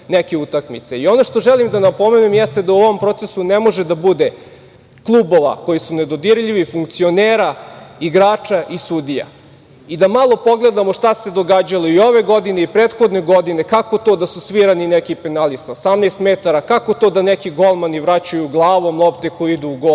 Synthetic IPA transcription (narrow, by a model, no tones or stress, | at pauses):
nekeut̪akmḭt̪se̞io̞noʂt̪o̞ʒelimd̪anapo̞me̞nemjɛst̪e̞d̪auoʋo̞mpɾo̞t̪sesunemo̞ʒed̪abud̪e | klˠuːbo̞ʋa̰ko̞jisuned̪o̞d̪iɾʎiʋifuŋk̚t̪sio̞neːɾaiɡɾaːt͡ʂaʔisud̪ija̰ | id̪amalˠo̞po̞ɡlˠe̞d̪amo̞ʂt̪ase̞d̪o̞ɡad͡ʑalˠoio̞ʋe̞ɡo̞d̪ineipɾet̪xod̪neɡo̞d̪inekako̞t̪o̞ːd̪asusʋiɾaninekipenalisosamneːst̪met̪aɾakako̞t̪o̞d̪anekiɡo̞lˠmaniʋɾat͡ɕajuɡlˠaːʋomlˠopt̪eko̞jiid̪uːɡo